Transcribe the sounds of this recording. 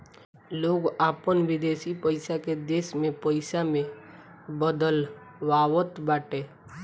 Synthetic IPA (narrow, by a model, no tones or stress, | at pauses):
loːɡaːpənʋɪd̪eːsipəɪsaked̪eːsmẽpəɪsamẽ | bəd̪əlwaːwət̪baːʈeː